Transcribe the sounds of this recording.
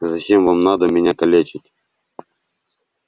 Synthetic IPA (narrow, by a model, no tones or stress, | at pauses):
zɐt͡ɕemvamnad̪əmʲɪnʲakɐlʲet͡ɕɪtʲ